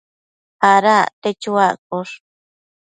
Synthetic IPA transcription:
haɾat̪et͡ʃuakʼoʂ

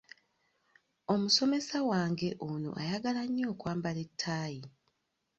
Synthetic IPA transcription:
o̞muso̞me̞sawaːŋɡe̞ʔono̞̰ʔa̰jaɡalaɲːo̞ːkwaːmbale̞tʰːaːji

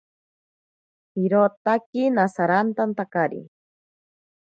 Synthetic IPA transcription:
hiɾot̪akinasaɾant̪ant̪akaɾḭ

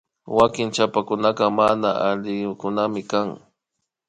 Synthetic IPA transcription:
wakɪnt͡ʃapakʊnaqɑmanaaʎɪkʊnamɪkaŋ

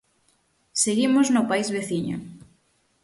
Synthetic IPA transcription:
seɣimoznʊpaizβeθiɲo̰

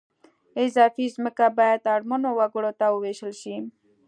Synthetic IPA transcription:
ezaːfizməkabajat̪aɽmonowaɡuɽot̪auʋeɕəlɕi

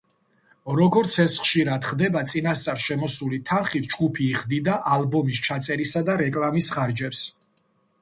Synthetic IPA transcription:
ɾɔɡɔɾt̪sʰɛsχʃiɾad̪χd̪ɛbat̪sʼinast̪sʼaɾʃɛmɔsulit̪ʰanχit̪̚ʰd͡ʒɡupʰiːʁd̪id̪aʔalˠbɔmist͡ʃʰat̪sʼɛɾisad̪aɾɛkʼlˠamisχaɾd͡ʒɛps

